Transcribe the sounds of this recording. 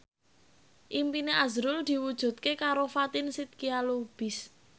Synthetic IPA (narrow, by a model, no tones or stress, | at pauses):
ʔimpineʔazɾʊld̪̥i̤wud̥ʒ̥ṳt̪̚kekaɾofat̪ɪnsit̪̚kialob̥ɪ̤s